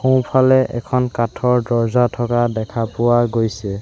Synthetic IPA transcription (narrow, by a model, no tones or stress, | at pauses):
xõwpʰalɛʔɛ̰kʰɔnkatʰɔɹdɔzatʰɔkadɛkʰapʊwaɡojsɛ